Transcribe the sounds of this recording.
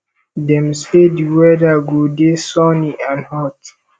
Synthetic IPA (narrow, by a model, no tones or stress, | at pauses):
dɛ̃msediwɛdaɡudesɔniãnhɔt